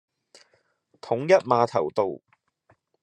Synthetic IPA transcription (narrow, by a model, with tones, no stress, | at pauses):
t̪ʰʊ˨˥ŋjɐ˥t̚maː˨˧t̪ʰɐ̰˨˩wt̪o˧w